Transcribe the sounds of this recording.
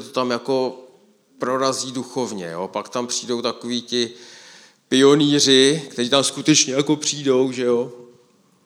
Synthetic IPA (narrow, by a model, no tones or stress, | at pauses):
ɛt̪ot̪amjako̞ | pɾo̞ɾaziːduxo̞vɲɛ̰jo̰pakt̪ampr̝̥iːdo̞wt̪ako̞viːt̪ɪ | pɪo̞niːr̝ɪkt̪ɛɾiːt̪amskut̪ɛt͡ʃɲɛjako̞pr̝̥iːdo̞wʒɛjo̞